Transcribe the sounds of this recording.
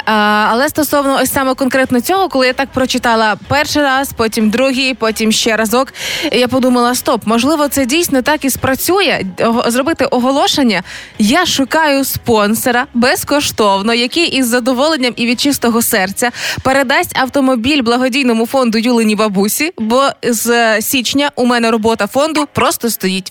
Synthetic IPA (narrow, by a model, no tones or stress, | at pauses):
ɐlˠɛst̪ɔsɔwnɔɔsʲsɑmɛkɔnkɾɛt̪nɔt͡sʲɔɦɔkɔlˠɪjat̪ɑk̚pɾɔt͡ʃɪt̪ɑlˠɐpɛrʃɪjɾɑspɔtʲimd̪ɾuɦijpɔtʲimʃt͡ʃɛɾɐzɔkjapɔd̪umɐlˠɐst̪ɔpmɔʒlˠɪʋɔt̪sɛdʲijsʲnɔt̪ɑkispɾɐt͡sʲujɛɦzɾɔbɪt̪ɪʔɔɦɔlˠɔʃenʲːɐjaʃʊkɑjʊspɔnsɔɾɐbɛskɔʃt̪ɔwnɔjɐkɪʔizːɐd̪ɔʋɔlˠenʲːɐmiʋʲid̪̚t͡ʃɪst̪ɔɦɔsɛrt͡sʲɐpeɾed̪asʲtʲɐwt̪ɔmɔbʲilʲblˠɐɦɔdʲijnɔmʊfɔnd̪ʊjulˠɪnʲiʋɐbusʲibɔzsʲit͡ʃnʲɐʔʊmɛnɛɾɔbɔt̪ɐfɔnd̪ʊpɾɔst̪ɔst̪ɔjitʲ